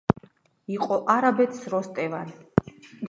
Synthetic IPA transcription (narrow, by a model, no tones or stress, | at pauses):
iqʼɔʔaɾabɛt̪ʰsɾɔst̪ʼɛvan